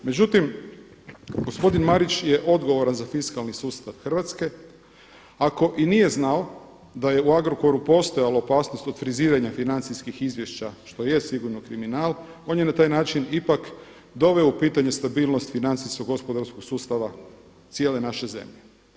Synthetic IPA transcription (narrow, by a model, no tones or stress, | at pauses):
me̞d͡ʑut̪im | ɡo̞spo̞d̪inmaɾit͡ɕjeʔo̞d̪ɡo̞ʋo̞ɾanzafiskalnisuːst̪aʋxər̩ʋat̪ske̞ | ako̞ʔinije̞znao | d̪aje̞uaɡɾoko̞ɾupo̞st̪o̞jalaopaːsnost̪o̞d̪fɾiziːɾaɲafinant̪siskixizʋje̞ʃt͡ɕaʃt̪ojesiɡuɾnokɾiminaːlˠ | o̞ːnjenat̪aːjnaːt͡ʃinipak | d̪o̞ʋe̞oupiːt̪aɲe̞st̪abiːlˠnost̪finant̪iskoɡo̞spo̞d̪aɾsko̞ɡsuːst̪aʋa | t̪sjele̞naʃe̞ze̞̰mʎe